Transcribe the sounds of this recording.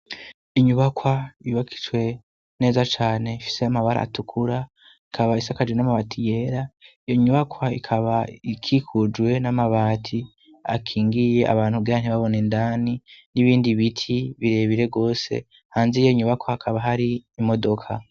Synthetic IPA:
iɲuβakʰwaiβakʰi̥t͡ʃwe̞ | ne̞ːzat͡ʃaːne̞ifi̥se̞amaβaɾa̰tukʰuɾa | ikʰaβaisakad͡ʒwenamaβatʰije̞ɾaijo̞ɲuβakwaikʰaβaikʰikʰud͡ʒwe̞namaβaːtʰi | a̰kʰiːŋɡije̞ʔa̰βaːn̥huɡeɾan̥iβaβo̞nendaniniβiːndiβitʰiβiɾe̞βiɾe̞ɡo̞ːse̞̰ | haːnziijo̞iɲuβakwaːkʰaβaɦaɾiːmo̞do̞kʰa̰

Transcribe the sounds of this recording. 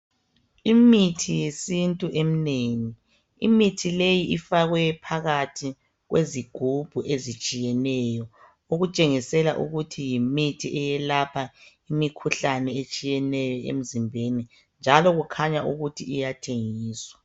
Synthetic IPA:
imitʰijesintʼuʔem̩neni | ḭmitʰilejiʔifaɣwɛpʰaɣatʰi | ɣweziɡ̥ʱub̥ʱuʔezit͡ʃʼijɛnɛjɔ | uɣut͡ʃʼeŋisɛla̰ʔṵɣutʰijimitʰiʔɛjɛlapʰa | imikʰuɬanɛet͡ʃʼijɛnɛjɔḛm̩zimbʱeni | nd͡ʒʱalɔɣukʰaɲaʔuɣutʰiijatʰeŋiːswa

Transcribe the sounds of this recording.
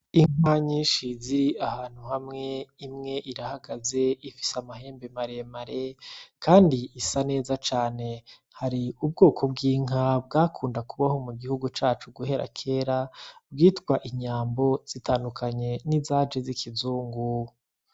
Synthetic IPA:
iŋ̥waɲiːnʃiziɾiahaːn̥huhamŋe̞imŋe̞ʔiɾahaɡaze̞ifi̥samahe̞ːmbemaɾemaɾekaːndiisane̞ːzat͡ʃaːne̞ | haɾiub̚ɡoːkʰo̞bɡiːŋab̚ɡaːkʰuːndakuβaho̞muɡihuɡut͡ʃaːt͡ʃuɡuhe̞ɾa̰kʰe̞ːɾab̚ɡiːtɡwaʔiɲaːmbo̞z̥itaːndukʰaɲe̞nizaːd͡ʒezikʰizuːŋɡu

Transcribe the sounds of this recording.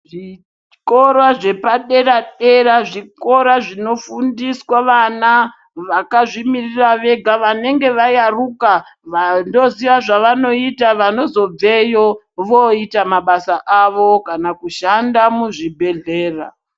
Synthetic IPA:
ʐi | ko̞rwaʐe̞paɗe̞raɗe̞ɾaʐiko̞ɾaʐino̞fundiswaʋana | ʋakaʐimiriraʋe̞ɡʱaʋane̞ŋɡe̞ʋajarukaʋando̞ziʋaʐaʋano̞itaʋano̞zo̞b͡ve̞jo | ʋo̞itamaɓasaʔaʋo̞kanakuʃandamuʐibʱe̞ɮe̞ːra̰

